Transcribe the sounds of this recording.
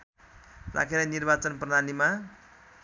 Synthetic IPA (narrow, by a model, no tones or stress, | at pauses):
ra̰kʰeɾʌnirbat͡sʌnprʌd̪anima